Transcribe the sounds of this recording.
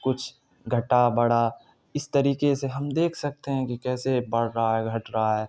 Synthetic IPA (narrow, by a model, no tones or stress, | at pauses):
kʊt͡ʃʰ | ɡʱɐʈabɐɽa | ɪst̪ɐɾiːkeseɦɐmd̪eːkʰsɐk̚t̪eɦɛ̃kikɛːsebɐɽɾaɦaɦɛɡʱɐʈɾaɦaɦɛː